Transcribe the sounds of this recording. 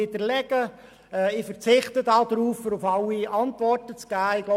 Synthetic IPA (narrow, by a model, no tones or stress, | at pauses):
ɪdəɾlɛɡ̥ə | ɛːɪfəɾt͡sɪχtədɑːd̥̪ɾuːfəɾʊfɑlːiɑntʋɔrtət͡sɡ̥æːɪɡ̥lo